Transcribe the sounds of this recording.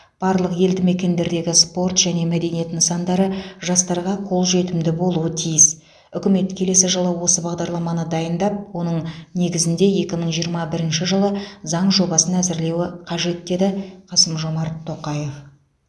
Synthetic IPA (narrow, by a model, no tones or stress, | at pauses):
b̥ɑɾlˠəqje̞ld̪ɪme̞kʲe̞nd̪e̞ɾd̪e̞ɡʲɪspo̞rt̪ʒ̥æne̞mæd̪e̞nije̞t̪ɪnəsɑnd̪ɑɾəʒɑst̪ɑɾʁɑqʰo̞lˠʒe̞t̪ɪmd̪ɪbo̞lˠuət̪ʰijɪs | ʏkʲɪme̞t̪kʲʰe̞le̞sɪʒəlˠəwo̞səbɑʁd̪ɑɾlˠɑmɑnəd̪ɑjənd̪ɑp̚wo̞nəɴne̞ɡʲɪzɪnd̪e̞je̞kʲɪməɴʒijəɾmɑbɪɾɪnʃɪʒəlˠəzɑɴʒo̞bɑsənæzɪɾle̞wɪqʰɑʒe̞t̪ːe̞d̪ɪqʰɑsəmʒo̞mɑɾt̪ʰːo̞qɑjef